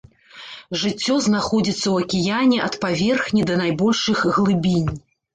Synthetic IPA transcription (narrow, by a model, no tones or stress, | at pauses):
ʐɨt͡sʲːɔznaxɔd͡zʲit̪sːɐwɐkʲijanʲɛʔɐt̪pavʲɛrxnʲid̪ɐnajbɔlʲʂɨxɣlˠɨbʲinʲ